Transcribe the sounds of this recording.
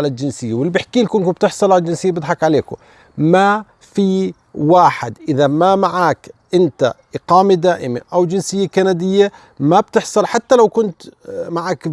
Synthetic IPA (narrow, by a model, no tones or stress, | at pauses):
alald͡ʒɪnsɪjːawɪlbɪħkiːlkʊnkʊb̚t̪ɪħsˤɑlʕalad͡ʒɪnsɪjːabɪd̪ħɑkʕaleːkʊ̰ | ma | fi | waːħɪd̪ʔɪðamamaʕaːkʔɪnt̪a̰ʔɪqɑːmid̪aːʔɪma̰ʔawd͡ʒɪnsɪjːakanad̪ɪjːa | mab̚t̪ɪħsˤɑlħat̪ːalawkʊnt̪maʕaːk